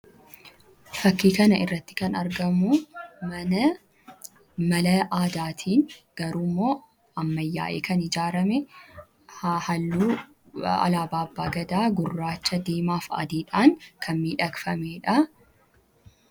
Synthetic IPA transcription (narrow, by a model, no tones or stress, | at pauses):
fɐkːiːkɐnɐʔɪrːɐt̪ːɪ̥kɐnɐɾɡɐmʊ | mɐlɐʔaːd̪aːt̪ʰiːnɡ̥ɐɾuːmːo̞ː | ɐmːɐjːa̰ːʔeːkɐnɪd͡ʒaːɾɐmɛ | hɐlːuː | ɐ̰laːbaːbːaːɡɐd̪aːɡʊrːaːt͡ʃːɐd̪eːmaːfɐ̰d̪iːᶑaːŋkʰɐnmiːᶑɐkfɐmeːᶑɐ